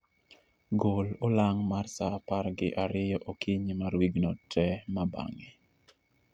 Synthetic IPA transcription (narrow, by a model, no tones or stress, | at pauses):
ɡololaŋmarsaparɡɪʔaɾɪjɔʔokʰiɲimaɾwiɡnɔtʰɛmaba̰ŋi